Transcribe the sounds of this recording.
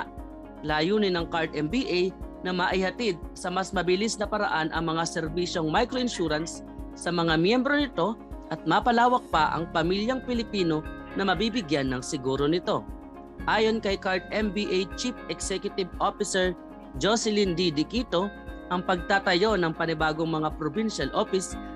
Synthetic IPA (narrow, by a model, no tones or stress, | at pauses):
laːjuːnɪnɐŋkaɹd̪ɛmbiʔejnɐmaʔɪhɐt̪id̪̚sɐmɐsmɐbɪlisnɐpɐɾɐ̰ʔanʔɐ̰ŋmɐŋasɛɾbiʃo̞ŋmajkɾoʔɪnʃuːɾɐnsː | ɐmɐŋamjɛmbɾo̞nɪt̪o̞ʔɐt̪̚maːpɐlaːwɐk̚pɐʔɐ̰ŋpɐmiljɐŋpɪlɪpiːno̞ | nɐmɐbibɪɡjanːɐŋsɪɡuːɾo̞nɪt̪o̞ | ʔaːjo̞nkɐjkaɹt̪̚ʔɛmbiʔejt͡ʃipɛksɛkjʊt̪ɪbʔofɪsɛɹ | d͡ʒosɛlɪnd̪id̪ɪkit̪o̞ʔɐŋpɐɡ̚t̪aːt̪ɐjo̞nɐŋpɐnɪbaːɡo̞ŋmɐŋapɾobinʃɐlʔo̞fɪs